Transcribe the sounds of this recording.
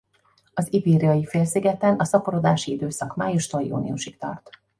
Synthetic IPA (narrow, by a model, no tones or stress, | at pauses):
ɒzibiːɾiɒjifeːlsiɡɛt̪ɛnɒsɒpoɾod̪aːʃiid̪øːsɒkmaːjuʃt̪oljṵːnḭṵʃikt̪ɒ̰rt̪